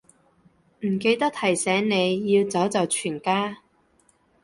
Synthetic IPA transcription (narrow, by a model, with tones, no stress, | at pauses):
m̩˨˩ke˧jt̪ɐ˥k̚t̪ʰɐ˨˩jsɛː˨˥ŋne˨˧jːiː˧wt͡sɐ˨˥wt͡sɐ˨wt͡ʃʰyː˨˩nkaː˥